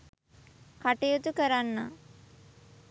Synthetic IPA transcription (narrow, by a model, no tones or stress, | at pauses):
kaʈejut̪ukəɾanːa